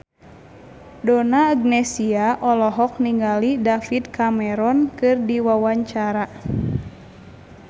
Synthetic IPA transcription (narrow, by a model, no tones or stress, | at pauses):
dɔnaːɡ̚nɛsiaʔɔlɔɦɔk̚niŋɡalidafid̪̚kʰamɛɾɔnkɨrdiwawaɲt͡ʃaɾa